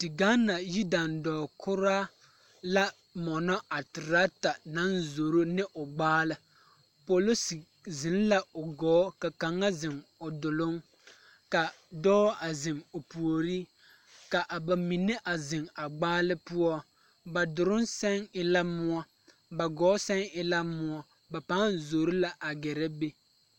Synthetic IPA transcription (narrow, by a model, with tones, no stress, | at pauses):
tɪ˨ɡa˦nːa˨ji˦da˨ndɔː˨kʰʊ˦ɾaː˦ | la˦ | mɔ˨nɔ˦ʔa˨tɪ˨ɾa˦ta˨na˦nzo˨ɾo˦nɪ˦ʔʊ˨ɡ͡baː˦lɨ˦ | po˨lo˦si˨ | zɪ˨n˦la˦ʊ˨ɡɔː˨˦ka˨ka˨ŋːa˦zɪ˨ŋʊ˨dʊ˨lʊ˦ŋ | ka˨ | dɔː˦a˨zɪ˨ŋʊ˨pu˨o˨ɾi˦ | ka˨ʔa˨ba˨mi˨nːɪ˦ʔa˨zɪ˨ŋa˨ɡ͡baː˦lɨ˦pu˦ɔ˦ | ba˨dʊ˨ɾʊ˦nsɛ˦ŋɪ˦la˦mʊ˦ɔ˦ | ba˨ɡɔː˦sɛ˦ŋɪ˦la˦mʊ˦ɔ˦ | ba˨pa˦˨zo˨ɾʊ˦la˨ʔa˨ɡɛ˨ɾɛ˦be˦